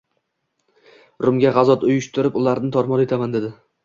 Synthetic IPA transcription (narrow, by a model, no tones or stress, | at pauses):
ɾʊmɡʲaʁɑzɒt̪ʊjʊʃt̪ʰʊɾɪpʊlaɾnɪt̪ʰɒɾmɒne̞t̪ʰamand̪e̞d̪ɪ